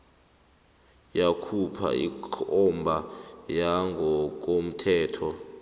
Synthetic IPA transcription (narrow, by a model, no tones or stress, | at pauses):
jakʰupʰa̰ḭkʰɔmbʱajaŋʱɔk̬om̩tʰɛːtʰɔ